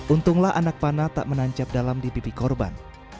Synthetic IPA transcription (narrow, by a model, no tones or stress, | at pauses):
ʔunt̪ʊŋlahʔa̰nak̚panat̪a̰ʔmənaɲt͡ʃap̚dalamdipipikɔrba̰n